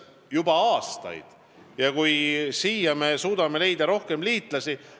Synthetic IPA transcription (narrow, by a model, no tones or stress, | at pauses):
jubɑɑːst̪ɑ̰jd̪̥ | jɑkujsiːjɑme̞suːd̪̥ɑme̞le̞jd̪ɑɾo̞hke̞mliːt̪ˑlɑsi